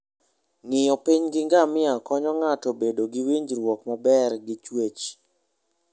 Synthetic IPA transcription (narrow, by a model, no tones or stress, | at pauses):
ŋɪjɔpiɲɡɪŋɡamɪakɔɲɔŋatobedoɡɪwiɲd͡ʒɾwɔkmabɛrɡɪt͡ʃwet͡ʃ